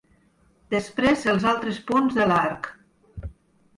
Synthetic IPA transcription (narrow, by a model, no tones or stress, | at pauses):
d̪əspɾezəlˠzalˠt̪ɾəspunzðəlaɾk